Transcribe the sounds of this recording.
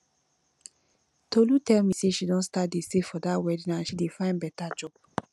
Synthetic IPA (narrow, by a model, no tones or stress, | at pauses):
tolutɛlmiseʃidɔ̃ntstat̚desefɔdaʔwɛdĩnãnʃidefãɪ̃nbɛtad͡ʒɔb